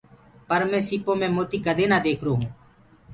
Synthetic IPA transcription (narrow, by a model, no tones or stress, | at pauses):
pəɾmẽːsiːpõːmẽːmoːt̪iːkəd̪eːnaːd̪eːkʰɾoːɦũː